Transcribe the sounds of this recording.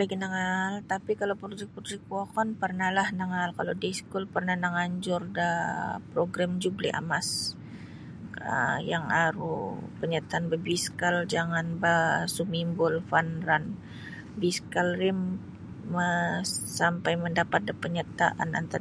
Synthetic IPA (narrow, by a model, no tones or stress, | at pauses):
laɡinaŋalt̪apikalawpɾod͡ʒɛk̚pɾoɾɛk̚pɔkɔnpərnalahnaŋalkalodiskulpərnahnəŋaɲd͡ʒʊrdapɾoɡɾamd͡ʒublḭʔa̰mas | ə̰jaŋaɾṵpəɲat̪aːnbəbiskald͡ʒaŋanbasumimbʊlfanran | biskalrɪm | əsampajməndapat̪̚dapəɲat̪a̰ʔa̰na̰nt̪a